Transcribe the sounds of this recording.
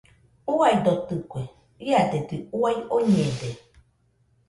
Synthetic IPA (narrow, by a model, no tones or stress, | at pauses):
uaid̪ot̪ɯkʷe | iad̪ed̪iuajoɲẽd̪e